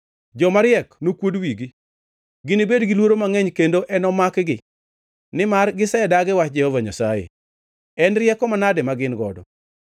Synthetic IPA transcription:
d͡ʒɔmaɾjɛknokwodwiɡi | ɡɪnɪbedɡɪlwoɾomaŋɛɲkendoʔɛnɔmakɡɪ | nɪmarɡɪsɛdaɡɪwat͡ʃd͡ʒɛhɔvaɲasajḛ | ɛnrɪjɛkɔmanadɪmaɡɪnɡɔ̰dɔ̰

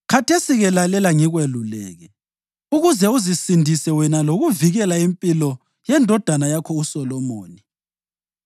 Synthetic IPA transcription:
kʰatʰesiɣɛlalɛlaŋiɣwelulɛ̰ːɣɛ | uɣuzɛuzisindʱisɛwɛnaloɣuviɣɛlaimpʼilɔ | jɛndʱɔd̥ʱanajakʰɔusɔlɔmoːni

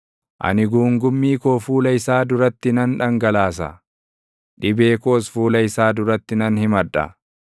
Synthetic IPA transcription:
ʔɐ̰nɪɡuːŋɡʊmːiːkoːfuːlɐɪsaːd̪ʊɾɐt̪ːɪnɐnᶑɐŋɡɐlaːs̬ɐ̰ | ᶑɪbe̞ːkoːsfuːlɐɪsaːd̪ʊɾɐt̪ːɪnɐnhɪmɐᶑːɐ̰

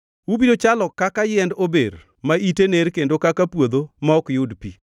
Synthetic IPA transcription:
wubidot͡ʃalɔkakajɛndobḛɾ | maiteneɾkendokakapwod̪omaɔkjʊdpi

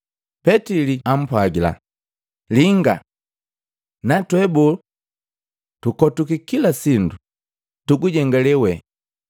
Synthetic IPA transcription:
pɛtiliam̩pwaɡila̰ | liŋɡa̰ | natwɛbu | tukɔtukikilasindu | tuɡuɟɛŋɡalɛwɛ

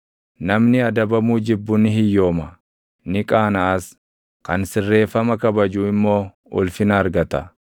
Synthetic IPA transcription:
nɐmnɪɐd̪ɐbɐmuːd͡ʒɪbːʊnːɪɦɪjːo̞ːmɐ | nɪkʼaːnɐːs | kɐnsɪrːe̞ːfːɐmɐkɐbɐd͡ʒuːɪmːo̞ː | ɔ̰lfɪnɐːɾɡɐt̪ɐ

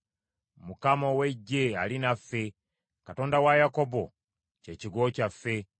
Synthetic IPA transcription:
mukamoweɟːealinafːe̞ | kato̞ːndawajako̞bo | ce̞ːciɡoːcafːe̞

